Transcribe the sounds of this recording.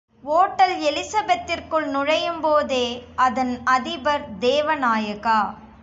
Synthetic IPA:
oːʈːɐlɛlɪsɐbɐt̪ːɪrkɯɭnʊɻɐjɯmpoːðeːɐðɐnɐðɪbɐɾd̪eːʋɐnaːjɐɣaː

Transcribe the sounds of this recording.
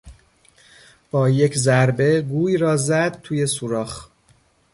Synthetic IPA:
b̥ɒːje̞cʰzæɾbe̞ɡuːjɾɒːzæd̪̚t̪ʰuːje̞suɾɒːχ

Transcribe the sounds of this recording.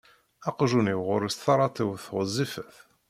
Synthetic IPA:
ɑqʒuniwʁʊɾəst̪θɑɾˤɑt̪ˤiwθʁəzˤːifəθ

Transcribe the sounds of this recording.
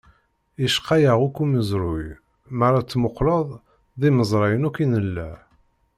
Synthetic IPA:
iʃqːɑjaʁukːuməzɾʊj | maɾˤɑt͡sːmʊqləðˤ | ðˤiməzˤɾˤɑjənukinəlːæ

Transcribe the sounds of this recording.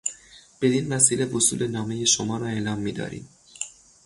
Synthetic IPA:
b̥e̞d̪invæsiːle̞vosṵːlʔe̞nɒːme̞je̞ʃomɒːɾɒːe̞lɒːmːiːd̪ɒ̰ːɾḭːm

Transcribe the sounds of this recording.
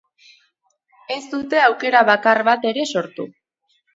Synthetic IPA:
e̞st̪ut̪e̞awke̞ɾaβakarβat̪e̞ɾe̞so̞ɾt̪u

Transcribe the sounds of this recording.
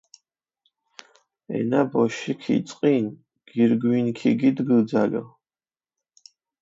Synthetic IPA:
ɛ̰nabɔʃikʰḭt̪sʼqʼin | ɡ̥iɾɡwinkʰiɡid̪ɡəd̪zalə̰

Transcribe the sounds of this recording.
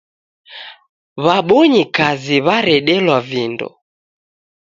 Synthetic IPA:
βaɓɔɲikaziβaɾɛɗɛlwavindɔ̰

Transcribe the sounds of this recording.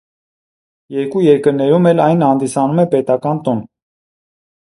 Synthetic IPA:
jɛɾkujɛɾkəɾnɛɾumɛlɑjnhɑnd̪isɑnumɛpɛt̪ɑkɑnt̪ɔn

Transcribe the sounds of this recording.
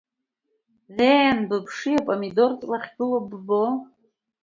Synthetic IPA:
zejanbɨpʰʂijapʼamido̞rt͡sʼlaχʲɡɨlobbo

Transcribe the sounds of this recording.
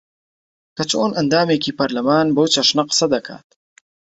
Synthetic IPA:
kat͡ʃoːnand̪ɑːmekipaɾlɪmɑːnbowt͡ʃaʂnaqsad̪akʰa̰ːt̪̚

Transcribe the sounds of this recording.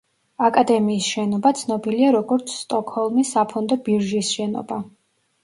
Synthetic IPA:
akʼad̪ɛmiːsʃɛnɔbat̪sʰnɔbiliaɾɔɡɔɾt̪sʰst̪ʼɔkʰʼhɔlˠmisːapʰɔnd̪ɔbiɾʒisʃɛnɔ̰ba

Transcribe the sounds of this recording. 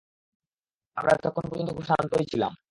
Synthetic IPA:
a̰mɾa̰ɛt̪kɔkʰonop̬oɾd͡ʑont̪oɡʱuʃanp̪oɾet͡ɕʰila̰m

